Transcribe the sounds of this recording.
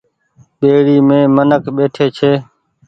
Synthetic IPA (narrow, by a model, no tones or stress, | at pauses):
ɓeːɽiːmẽːmənəkɓeːʈʰeːt͡ʃʰeː